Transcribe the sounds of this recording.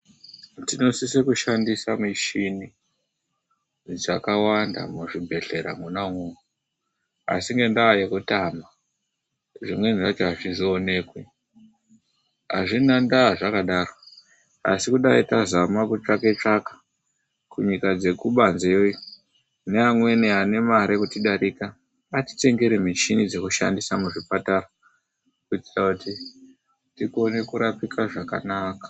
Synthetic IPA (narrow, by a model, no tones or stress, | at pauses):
tino̞sisekuʃandisamiʃini | d͡zakawanda̰muʐibʱe̞ɬe̞ɾa̰munaumu | a̰siŋɡe̞ndajekutama | ʐimwe̞nʐat͡ʃaaʐizione̞ːkwe | a̰ʐinandaːʐakaɗaro | a̰sikuɗaitazamakut͡ʂake̞t͡ʂakḁ | kuɲikad͡ze̞kuɓanzeojo | neamwe̞neane̞maɾekutiɗaɾikaː | ti̥te̞ŋɡe̞ɾemit͡ʃinid͡ze̞kuʃa̰ndisamuʐipatara | kuti̥takuti | tikone̞kuɾapikaʐaka̰naːkḁ